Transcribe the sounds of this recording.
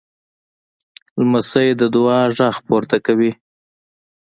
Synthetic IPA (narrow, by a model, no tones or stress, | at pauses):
lməsəjed̪əd̪ʊwɑʐaxpoɾt̪akawi